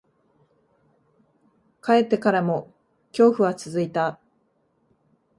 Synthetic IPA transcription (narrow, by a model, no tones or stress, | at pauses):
kae̞t̪ːe̞kaɾamo̞ | kʲo̞ːɸɯ̟βat͡sɨzɨit̪a